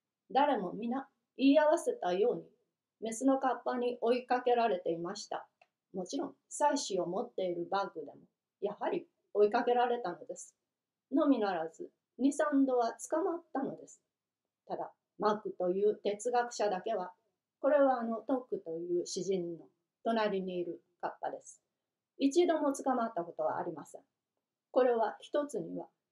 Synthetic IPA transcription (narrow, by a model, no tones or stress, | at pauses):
d̪aɾe̞mo̞mʲina | iːaβase̞t̪ajo̞ːɲ̟i | me̞sɨno̞kapːaɲ̟iʔo̞ikake̞ɾaɾe̞t̪e̞imaɕi̥t̪a̰ | mo̞t͡ɕiɾõ̞ŋ̃saiɕio̞mo̞t̪ːe̞iɾɯ̟bakɯ̟d̪e̞mo̞ | jaɦaɾʲi | o̞ikake̞ɾaɾe̞t̪ano̞d̪e̞sɨ̥ | no̞mʲinaɾazɨ | ɲ̟isãnd̪o̞βat͡sɨ̥kamat̪ːano̞d̪e̞sɨ̥ | t̪ad̪a | makɯ̟t̪o̞jɯ̟ːt̪e̞t͡sɨɡakɯ̟̥ɕad̪ake̞βa | ko̞ɾe̞βaːno̞t̪o̞kːɯ̟t̪o̞jɯ̟ːɕiʑĩnːo̞ | t̪o̞naɾʲiɲ̟iːɾɯ̟ | kapːad̪e̞sɨ̥ | it͡ɕid̪o̞mo̞t͡sɨ̥kamat̪ːako̞t̪o̞βa̰ːɾʲimasẽ̞̰ŋ | ko̞ɾe̞βaçi̥t̪o̞t͡sɨɲ̟iβa̰